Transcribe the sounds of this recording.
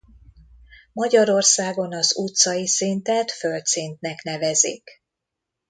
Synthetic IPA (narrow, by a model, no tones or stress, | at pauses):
mɒɟɒɾo̞rsaːɡo̞nɒzut̪sɒjisint̪ɛt̪følt̪sint̪nɛknɛvɛzḭːk